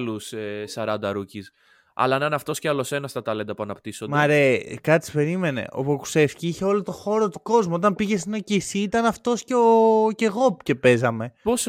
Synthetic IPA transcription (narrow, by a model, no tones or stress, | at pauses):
lussɐɾɐnd̪ɐɾucis | ɐ̰lɐnɐnɐft̪o̞sceɐlo̞se̞nɐst̪ɐt̪ɐle̞nd̪ɐpuɐnɐpt̪isomɐɾe̞kɐt̪i̥si̥pe̞ɾime̞ne̞̰ʔo̞̰poku̥se̞fciiçeolot̪o̞xo̞ɾot̪u̥ko̞zmuot̪ɐmpiʝest̪ino̞ceisiit̪ɐnɐft̪o̞sceoce̞ɣo̞p̚ce̞pe̞zɐme̞pos